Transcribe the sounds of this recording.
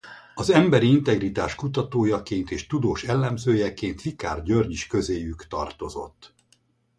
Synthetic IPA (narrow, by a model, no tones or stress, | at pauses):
ɒzɛmbɛɾiint̪ɛɡrit̪aːʃkut̪ɒt̪oːjɒkeːnt̪eːʃt̪ud̪oːʃɛlːɛmzøːjɛkeːnt̪ʋika̰ːrɟørɲiʃkø̞zeːjykt̪ɒ̰rt̪o̞zo̞̰t̪ː